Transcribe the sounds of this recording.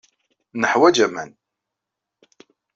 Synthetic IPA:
nəħwæd͡ʒæmæ̰n

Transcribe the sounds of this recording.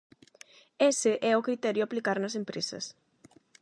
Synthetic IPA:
esɪʔɛʊkɾit̪ɛɾjʊaplikaɾnɐsempɾesɐ̰s

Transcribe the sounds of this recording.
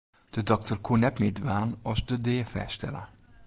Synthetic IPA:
d̥ədɔk̚tərkʰunɛtmeːdvaːnɑʃdədeːfɛ̰ʃtɛ̰lə̰

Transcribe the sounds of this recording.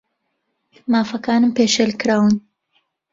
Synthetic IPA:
maːfɐkaːnɨmpeːʃelkɨɾaːwɨn

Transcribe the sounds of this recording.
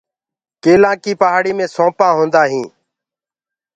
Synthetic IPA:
keːlãːkiːpəɦaːɽiːmẽːsõːpãːɦõːnd̪aːɦĩː

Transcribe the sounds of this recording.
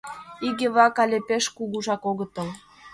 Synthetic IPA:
iɣĕβɑkɑlʲepeʃkuɣuʒɑkoɣə̆t̪ə̆l

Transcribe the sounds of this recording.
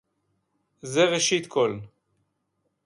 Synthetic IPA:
zeʁeʃit̪kʰo̞l

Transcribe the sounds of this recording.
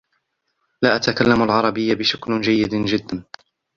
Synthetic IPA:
laːʔat̪akalːamalʕɑɾˤɑbɪjːabɪʃakld͡ʒajːɪd̪d͡ʒɪd̪ːan

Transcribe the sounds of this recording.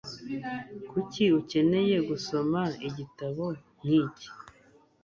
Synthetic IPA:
kuciuce̞ne̞je̞ɡuso̞maiɟitaβo̞ | n̥iːci̥

